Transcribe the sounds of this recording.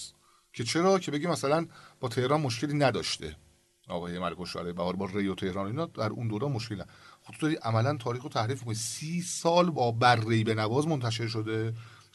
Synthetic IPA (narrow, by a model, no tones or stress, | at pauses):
cʰe̞t͡ʃʰe̞ɾɒːcʰe̞beɟiːmæsælænb̥ɒːt̪ʰe̞hɾɒːnmoʃkcʰe̞liːnæd̪ɒ̰ːʃt̪ḛ | ʔɒ̰ːɣɒːjemælekʰoʃæ̰ɾɛjbæhɒːɾbɒːɾejot̪ʰe̞hɾɒːnoiːnɒːd̪æɾṵnd̪oːɾɒːnmoʃkeliːnæxo̥t̪ʰd̪ɒɾiːʔæmælænt̪ʰɒːɾiːxot̪ʰæhɾiːfmikʰonisiːsɒːlbɒːbærːejbe̞nævɒːzmont̪ʰæʃ̬e̞ɾʃ̬o̞d̪e̞